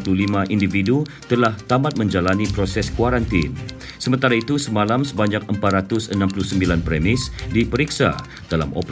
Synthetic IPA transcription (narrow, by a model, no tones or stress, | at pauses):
plulimãʔindividut̪əlaht̪amat̪̚mə̃ɲd͡ʒalanipɾosɛskuwaɾant̪in | səmənt̪aɾait̪usəmãlamsəbaɲak̚əmpat̪̚rat̪ʊsənãmpuluhsəmbilanpɾɛmɪsdipəɾiksa̰ | d̥ala̰mɔ̰p